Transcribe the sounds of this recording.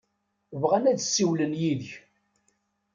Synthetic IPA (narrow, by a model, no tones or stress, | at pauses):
vʁænæd̪sːiwlənjiðəç